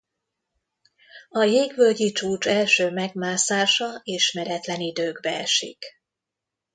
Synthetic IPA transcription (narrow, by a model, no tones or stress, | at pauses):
ɒjeːɡʋølɟit͡ʃuːt͡ʃɛlʃøːmɛɡmaːsaːʃɒeːʃmɛɾɛt̪lɛnid̪øːɡbɛɛ̰ʃḭk